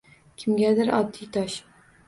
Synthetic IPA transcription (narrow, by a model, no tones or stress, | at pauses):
kʲʰɪmɡʲad̪ɪɾʔɒd̪ːijt̪ʰɒʃ